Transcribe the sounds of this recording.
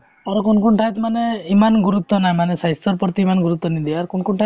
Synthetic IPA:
ɔɾɔkunkuɳʈʰajt̪maneimanɡuɾut̪ːɔnajmanesajst̪ɔɾpɔɾt̪iimanɡuɾut̪ːɔnid̪iaɾkunkuɳʈʰa

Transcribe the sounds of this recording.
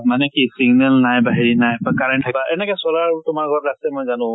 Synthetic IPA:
manɛkisiɡnɛlnajbaɦiɹinajbakaɹɛɳʈʰːabaʔɛnɛkɔsɔlaɹtʊmaɹɡʱɔɹɹastɛmojzanʊ̃

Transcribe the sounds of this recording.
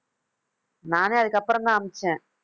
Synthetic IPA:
naːneːɐðɨkːɐpːɐɾɐnd̪aːmit͡ɕːẽː

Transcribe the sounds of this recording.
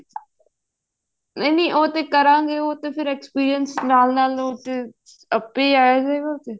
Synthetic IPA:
nəniːʔoːt̪eːkəɾãːɡeːoːt̪eːpʰɪɾɛːkspiːɾijənsnaːlnaːloːt̪eː | əpːeːaːjeːd͡ʒaːeːɡaoːt̪eː

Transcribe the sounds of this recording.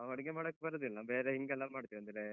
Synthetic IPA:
ʋɐɽɐɡemaːɽokːebɐɾɐd̪ilnabeːɾeɦiŋɡɛlːamaːɽt̪iɾɐnd̪iɾe

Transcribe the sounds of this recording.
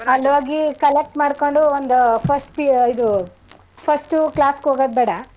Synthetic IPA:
ɐlːʋaːɡikɐlek̚ʈmaːɽkoɳɖuond̪upʰɐsʈpiid̪u | pʰɐsʈuklaːskɦoːɡɐd̪̚beːɽɐ

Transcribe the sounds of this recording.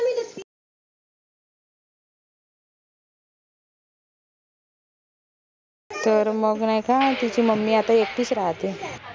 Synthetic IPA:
t̪əɾməɡnajkʰãt̪it͡ɕiməmːiːat̪aek̚ʈ̪iːt͡sɾaɦt̪e

